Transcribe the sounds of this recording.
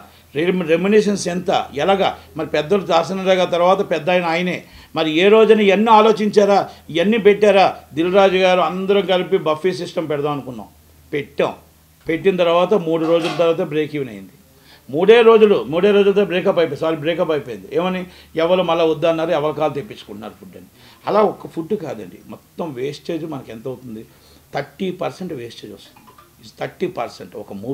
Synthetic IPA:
eɾeminiʂ̬ɐnsɛnt̪ɐ̰ɛlaːɡɐ̰mɐɾipɛd̪ːɐlud̪aːɾsɐnɐlaːɡaːt̪ɐɾʋaːt̪ɐpɛd̪ːɐjɐnɐaːjɐne̞ː | mɐɾieːɾo̞ːd͡ʒunɐɐnːiaːloːt͡ʃiɲt͡ʃaːɾaːiɐnːipeʈːaːɾaːd̪ilɾaːd͡ʒuɡaːɾuɐnd̪ɐɾɐŋkɐlipibɐfːiːs̬isʈɐmpɛɽɐd̪ɐmɐnukunːa̰ːw | peʈːɐ̰ũ | pe̞ʈːinɐt̪ɐɾuʋaːt̪ɐmuːɽuɾo̞ːd͡ʒulɐt̪̬ɐɾʋaːt̪ɐbɾeːkiʋinɐ̰jḭnd̪i | muːɽe̞ːɾo̞ːd͡ʒulumuːɽeːɾoːd͡ʒulɐt̪obɾeːkɐpɐjpesaːɾibɾeːkɐpɐjpojind̪ieːmɐni | ɛʋːɐɾumɐlːaːud̪ːaːnːaːɾɛʋɐlɐkaːlut̪epːit͡ʃːu̥kuɳʈunaːɾupʰuɖːɐnːi | ɐlaːɔkɐpʰuɖːka̰ːd̪ɐ̰ɳɖḭmɔt̪ːɐmʋeːst͡ʃe̞ːd͡ʒumɐnɐkent̪ɐwut̪und̪i | t̪ʰɐɾʈːiːpɐɾseɳʈʋeːst͡ʃe̞ːd͡ʒost̪u̥nd̪ii | t̪ʰɐɾʈːiːpɐɾseɳʈɔkɐmuː

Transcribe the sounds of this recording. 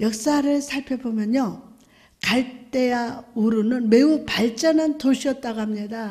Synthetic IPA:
jʌk̚s͈aɾɯɭsʰaɭpʰjʌbomjʌɲo | kaɭt͈e̞wauɾunɯnme̞upaɭt͡ɕ͈ʌnɦantoɕʰiʌt̚t͈aɡaɦamɲida

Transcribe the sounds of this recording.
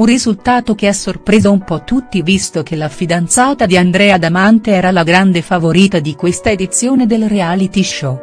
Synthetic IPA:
unrizult̪aːt̪okeasːorpɾeːzaumpɔt̪ːut̪ːivist̪okelafid̪ant̪saːt̪ad̪iand̪ɾɛːad̪amant̪eɛːɾalaɡɾand̪efavoɾiːt̪ad̪ikwest̪aed̪it̪sːjoːned̪elreaːlit̪iʃo

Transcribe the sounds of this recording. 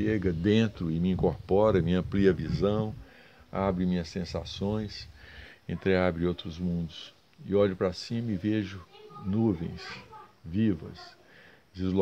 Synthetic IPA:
eɡɐd̪ẽnt̪ɾʊɪmiĩkoɾpɔɾɐmiɐ̃mpliɐvizɐ̃w̃ | abɾɪmĩɲɐsẽsa̰sõj̃sḛ̃nt̪ɾeabɾɪowt̪ɾʊzmũnd̪ʊs | ɪ̰ɔʎʊpɾasĩmɐɪveʒʊnuvḛ̃j̃svivɐ̰s | d͡ʒizlo

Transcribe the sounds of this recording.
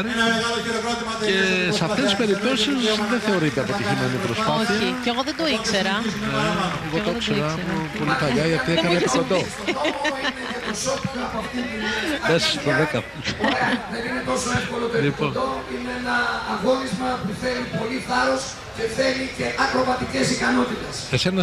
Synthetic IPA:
ɾaloot̪iɐesɐft̪est̪ispe̞ɾip̚t̪o̞sisðenθe̞o̞ɾit̪eɐpo̞t̪içimenipɾospoθiɐiceɣoðed̪oikseɾɐeeɣod̪okseɾɐmupolikɐʎɐʝɐt̪iekɐnepikod̪o | ineeosot̪itoɐpoɐft̪iumesost̪oðekɐ | eðeninet̪o̞soefko̞lopelipond̪oineenɐːɣo̞nizmɐpuθelipo̞liθɐɾos | ce̞θelice̞ʔɐkɾovɐt̪icesikɐno̞t̪it̪esesenɐ

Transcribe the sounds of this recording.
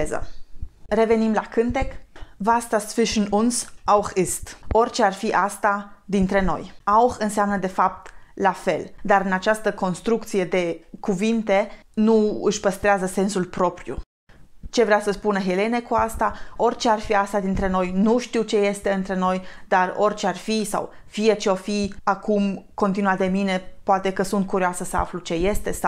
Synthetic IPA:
zə̰ | re̞ve̞nimlakɨnt̪e̞kvast̪asfiʃɨnunsawxist̪o̞rʲt͡ʃe̞arfiʔast̪ad̪int̪ɾe̞no̞̰jawxɨnseamnəd̪e̞fap̚t̪lafe̞ld̪aɾɨnat͡ʃast̪əko̞nst̪ɾuk̚t̪sije̞d̪e̞kuvint̪e̞nuɨʃpəst̪ɾeazəse̞nsulpɾo̞pɾjṵ | t͡ʃe̞vɾeasəspunəɦe̞le̞ne̞kuast̪ao̞rʲt͡ʃearfiast̪ad̪int̪ɾe̞no̞jnuʃt̪iwt͡ʃe̞je̞st̪e̞ɨnt̪ɾe̞no̞jd̪aro̞̰rʲt͡ʃearfisa̰w | fije̞t͡ʃe̞o̞fiakumko̞nt̪inuad̪emine̞poat̪e̞kəsunt̪̚kuɾioasəsəa̰flut͡ʃe̞je̞st̪e̞sa

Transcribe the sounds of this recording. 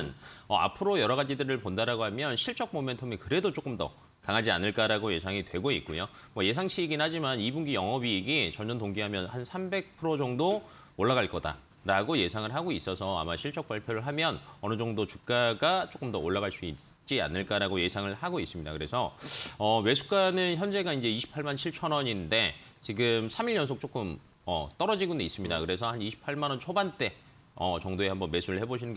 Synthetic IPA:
nʌa̰pʰɯɾojʌɾʌɣad͡ʑidɯɾɯɭpondaɾaɡoɦamjʌnɕʰiɭt͡ɕ͈ʌk̚mome̞ntʰɯmekɯɾe̞dot͡ɕ͈ok͈ɯmdʌ̰ | kaŋad͡ʑia̰nɯɭk͈aɾaɡoje̞sʰaŋitwe̞ɡoit̚k͈ojo | mwʌje̞sʰaŋɕʰiːɡinhad͡ʑimanibuŋɡijʌŋʌbiɡit͡ɕʌnd͡ʑʌntoŋɡiɦamjʌnhansʰambe̞k̚pʰɯɾod͡ʑʌŋdo | oɭːaɡaɭk͈ʌda̰ | ɾaɡoje̞sʰaŋɯɭɦaɡois͈ʌsʰʌa̰maɕʰiɭt͡ɕ͈ʌk̚p͈aɭpʰjoɾɯɭɦamjʌnʌnɯd͡ʑʌŋdot͡ɕuk̚k͈aɡat͡ɕ͈ok͈ɯmdʌoɭːaɡaɭs͈uit͡ɕ͈ia̰nːɯɭk͈aɾaɡoje̞sʰaŋɯɭhaɡois͈ɯmɲida̰kɯɾe̞sʰʌʌme̞sʰuk͈anɯnçjʌnd͡ʑe̞ɡaind͡ʑe̞iɕʰi̥pʰaɭmant͡ɕʰiɭt͡ɕʰʌnʌɲinde̞ | t͡ɕiɡɯmsʰamiɭjʌnsʰok̚t͡ɕ͈ok͈ɯm | ʌt͈ʌɾʌd͡ʑiɡuneis͈ɯmɲidakɯɾe̞sʰʌhaniɕʰi̥pʰaɭmanʌnt͡ɕʰobant͈e̞ | ʌ̰t͡ɕʌŋdoe̞hambʌnme̞sʰuɾɯɭhe̞boɕʰinɯnɡe

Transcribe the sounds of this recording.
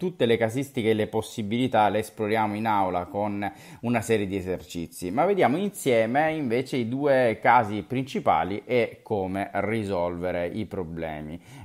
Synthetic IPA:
t̪ut̪ːelekazist̪ikeːleposːibilit̪aleːsploɾjaːmoinawlakon | unasɛːɾjed̪iezert͡ʃḭt̪sːimavːed̪jaːmoinsjɛːmeiɱveːt͡ʃeid̪uːekaːzipɾint͡ʃipa̰ːliʔɛkʰːoːmerizɔlveɾeipɾoblɛ̰ːmḭ

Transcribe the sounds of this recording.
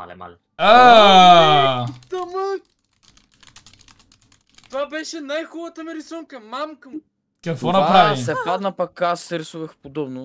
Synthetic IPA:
a̰lɛ̰ma̰lɛ | a | t̪ɐmə | t̪vabɛʃɛnajxɔlˠət̪əmiɾɛsuŋkəmamkə | kɐkt̪vɔnɐapɾavissɛpad̪nəpɐkasːɛɾɛsuvəxpod̪ɔbnʊ

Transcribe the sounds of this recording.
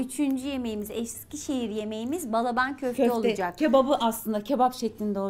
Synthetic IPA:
yt͡ʃʰynd͡ʒyje̞me̞jimizɛʃscʲiʃe̞ɦiɾje̞me̞jimizbalˠabancʰøfʰøɛolˠud͡ʒakcʰebabɯʔaslˠɯnd̪acʰebapʃeclʲind̪o

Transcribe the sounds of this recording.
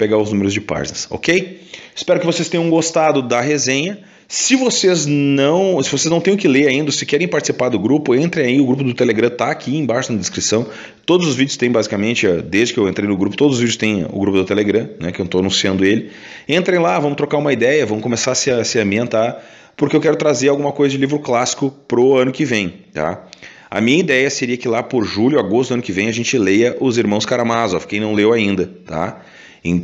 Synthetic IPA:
peɡaʊznũmeɾʊzd͡ʒɪpa̰ɾʒnɐso̰kejɪ̥spɛɾʊkɪvosest̪ẽj̃ɐ̃ũɡost̪ad̪ʊd̪ɐɦezẽɲɐ | sɪvoseznɐ̃w̃sɪvoseznɐ̃w̃t̪ẽj̃ʊkɪleɾaĩnd̪ɐsɪkɛɾẽj̃paɾt͡ʃɪ̥sipaɾd̪ʊɡɾupʊẽnt̪ɾẽj̃aiʊɡɾup̬ʊd̪ʊt̪eleɡɾɐ̃t̪aːkʰiẽbajʃʊnɐd̪ɪskɾisɐ̃w̃ | t̪od̪ʊzʊzvid͡ʒʊst̪ẽj̃bazikamẽnt͡ʃɪad̪ezd͡ʒɪkɪewẽnt̪ɾejnʊɡɾupʊ̥t̪od̪ʊzʊzvid͡ʒʊst̪ẽj̃ʊ̰ɡɾupʊd̪ʊt̪eleɡɾɐ̃nɛkɪewt̪oanũsiɐ̃nd̪ʊelɪ | ẽnt̪ɾẽj̃lavɐ̃mʊt̪ɾokaɾũmɐid̪ɛjɐvɐ̃mʊkõmesaɾɐsɪɐsɪɐ̃mbĩẽnt̪aɾ | pʊɾkeewkɛɾʊt̪ɾazeɾawɡũmɐkojzɐd͡ʒɪlivɾʊklasi̥kʊpɾʊɐ̃nʊkɪvẽj̃t̪a̰ | ɐ̰mĩɲɐid̪ɛjɐseɾiɐkɪlapʊɾʒulʲjʊaɡost̪ʊɐ̃nʊkɪvẽj̃ɐʒẽnt͡ʃɪlejɐʔʊziɾmɐ̃w̃skaɾamazɔfkẽj̃nɐ̃w̃lewaĩnd̪ɐt̪a̰ | ẽ

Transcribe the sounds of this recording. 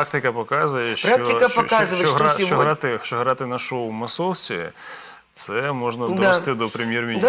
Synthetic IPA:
ak̚t̪ɪkɐpɔkɑzʊjɛʃɾakɔɪkɐpɔkazʊʋeɔɦait͡ʃɔɦɾɑt̪ɪt͡ʃɔɦɾɑt̪ɪnɐʃɔwmɐsɔwt͡sʲḭ | t̪sɛmɔʒnɐd̪ɔest̪ɪd̪ɔpɾemʲjermʲinʲ

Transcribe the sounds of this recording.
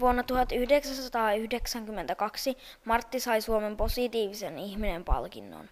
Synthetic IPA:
ʋuonːɑt̪uhɑt̪ːyhdeksæsɑt̪ɑːyhdeksæŋkymːe̞nt̪ækɑksi | mɑrt̪ːisɑjsuome̞mpo̞sit̪iːʋiseniçminempɑ̰lkḭnːo̰n

